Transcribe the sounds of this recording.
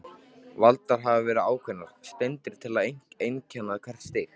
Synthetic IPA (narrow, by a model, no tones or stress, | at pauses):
valt̪aɾ̥ɦavavɛːɾɪaːwkʰvɛnːaɾ̥st̪ɛjnt̪ɪɾ̥t̪ʰɪlaðejŋ̥kejncʰɛnːaðkʰvɛr̥st̪ɪɣ